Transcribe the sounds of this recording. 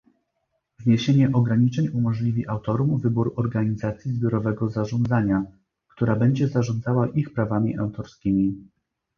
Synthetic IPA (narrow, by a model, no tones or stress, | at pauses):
vɲeɕeɲɛʔɔɡɾaɲit͡ʂɛɲumɔʐlʲivʲiʔawt̪ɔɾumvɘbuɾɔɾɡaɲizat̪sʲjizbʲjɔɾɔvɛɡɔzaʐɔnd̪zaɲa | kt̪uɾabɛɲd͡ʑɛzaʐɔnd̪zawaʔixpɾavamʲiʔa̰wt̪ɔɾskʲimʲi